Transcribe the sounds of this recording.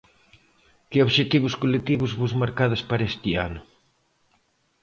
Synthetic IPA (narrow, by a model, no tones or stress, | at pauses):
kɪoβʃet̪iβʊskolet̪iβʊzβuzmaɾkaðɐspaɾɐest̪ianʊ